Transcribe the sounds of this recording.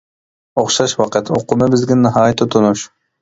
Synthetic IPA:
oχʃɑʃwɑqɨt̪ʰoqʊmɨbɪzɡʲɛnɨɦɑːjt̪ʰːɪt̪ʰonuʃ

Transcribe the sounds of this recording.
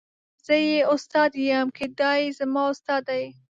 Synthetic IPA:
z̥əjeʊst̪ɑd̪jamkʰed̪ɑjezamɑʊst̪ɑd̪aj

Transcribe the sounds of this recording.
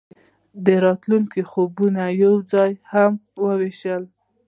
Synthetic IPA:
d̪əɾɑt̪luŋkixobunajawd͡zɑjhamwəweʃəl

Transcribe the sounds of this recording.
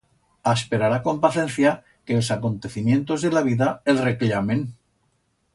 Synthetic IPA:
aspeɾaɾako̞mpaθẽ̞nθja | kelsako̞nt̪e̞θimjẽ̞nt̪o̞zðelaβiðaelreklamen

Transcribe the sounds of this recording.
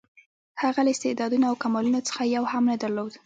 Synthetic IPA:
haɣalaɪst̪ɪʔd̪ɑd̪unaawkamɑlunot͡sə̥xajawhamnəd̪aɾlod̪

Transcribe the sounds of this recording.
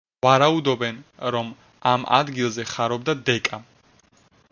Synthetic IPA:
vaɾaud̪ɔbɛnɾɔm | ama̰d̪ɡilˠzɛχaɾɔbd̪ad̪ɛkʼa

